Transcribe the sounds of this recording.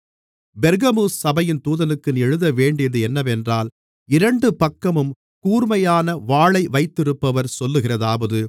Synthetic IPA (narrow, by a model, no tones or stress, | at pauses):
bɛɾɣɐmuːssɐbɐjɪnt̪uːðɐnɯkːɯnɛɻɯðɐʋeːɳɖɪjɐðɯɛnːɐʋɛndraːl | ɪɾɐɳɖɯpɐkːɐmɯm | kuːɾmɐjaːnɐʋaːɭɐɪʋɐɪt̪ːɪɾɯpːɐʋɐɾsɔlːɯɣɪrɐðaːʋɐðɯ